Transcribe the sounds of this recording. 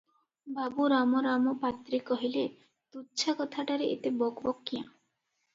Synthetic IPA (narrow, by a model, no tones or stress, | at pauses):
babuɾamoɾamopat̪ːɾikɔɦile | t̪utːt͡ʃʰakɔt̪ʰaʈaɾeʔḛt̪ebɔɡbɔkːijã̰